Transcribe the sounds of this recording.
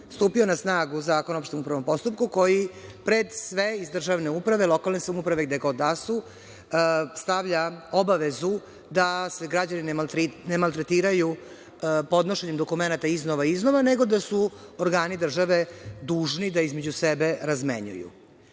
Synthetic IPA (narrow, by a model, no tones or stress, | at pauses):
st̪uːpio̞nasnaːɡuzaːkonaopʃt̪emupɾaʋo̞mpo̞st̪up̚kuko̞jipɾed̪sʋeizd̪r̩ʒaʋne̞upɾaʋelo̞kalˠnesomupɾaʋeɡd̪eɡo̞d̪ːasu | st̪aʋʎao̞baʋezu | d̪ase̞ɡɾad͡ʑaninɾnemalˠt̪ɾet̪iːɾaju | po̞d̪noʃeɲemd̪o̞kume̞nat̪aiznoʋaiznoʋaneɡo̞d̪asuoɾɡaːnid̪r̩ʒaʋe̞d̪uːʒnid̪aizme̞d͡ʑusebe̞ɾazmḛɲṵjṵ